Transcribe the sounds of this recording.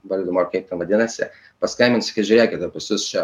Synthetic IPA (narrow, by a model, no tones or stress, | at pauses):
ʋɐlʲd̪ʲɪmoːkɐɪp̚t̪ʲɛnʋɐdʲɪnɐsʲɪ | pɐskɐɪmʲɪnsʲɪ̥kʲɐɪʒʲʊɾʲeːkʲɪt̪opʊsʲʊst͡ʃʲɛ